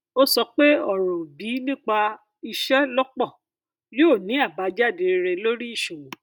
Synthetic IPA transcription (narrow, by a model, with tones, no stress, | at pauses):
o˦sɔ˧k͡pe˦ɔ˦˨ɾo˨bi˨˦nĩ˦k͡pa˧ | i˧ʃɛ˦lɔ˦k͡pɔ˦˨ | jo˦˨nĩ˨˦a˦˨ba˨˦d͡ʒa˦˨de˧ɾe˧lo˦ɾi˦i˦˨ʃõ˨